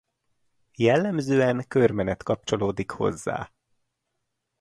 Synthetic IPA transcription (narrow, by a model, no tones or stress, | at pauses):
jɛlːɛmzøːɛŋkørmɛnɛt̪kɒp̚t͡ʃo̞loːd̪ikho̞̰zːa̰ː